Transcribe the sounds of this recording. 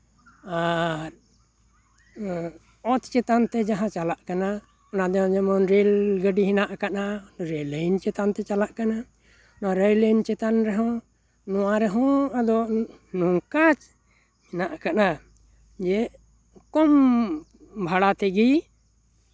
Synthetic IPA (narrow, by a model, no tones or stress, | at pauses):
aɾ | ɔt̪t͡ʃɛt̪ant̪ɛd͡ʒaɦãt͡ʃalaʔkana | ɔnad̪ɛɦɔ̃d͡ʒɛmɔnɾelɡəɖiɦinaʔkanaɾeləjnt͡ʃɛt̪ant̪ɛt͡ʃalaʔkana | naɾejləjnt͡ʃɛt̪anɾɛɦɔ̃ | nɔwaɾɛɦɔ̃ad̪ɔʔ | nuŋkat͡ʃ | hinaʔkana | d͡ʒɛ | kɔm | bʱaɽat̪ɛɡi